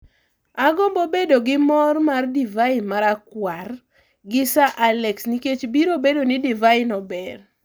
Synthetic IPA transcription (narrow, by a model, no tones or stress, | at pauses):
aɡɔmbobedoɡɪmɔrmardivaɪnmaɾakwar | ɡɪsaʔalɛksniket͡ʃbiɾobedonɪdivaɪnɔbɛr